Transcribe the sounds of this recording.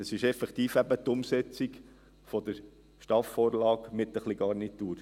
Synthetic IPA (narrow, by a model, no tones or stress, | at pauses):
əsɪʃɛfɛkt̪iːfæbət̪ʊmsɛt͡sik | fɔd̪əɾ | ʃtɑfɔːɾlɑːkmɪt̪əχliɡɑɾnit̪uːɾ